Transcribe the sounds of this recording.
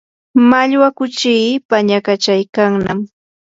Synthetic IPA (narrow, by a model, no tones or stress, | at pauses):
maʎwakʊt͡ʃiːpaɲakat͡ʃajkaŋnam